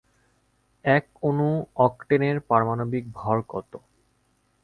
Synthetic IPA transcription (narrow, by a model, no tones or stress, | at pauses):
ɛkonuɔkʈeneɾpaɾmanobik̚bʱɔɾkɔt̪o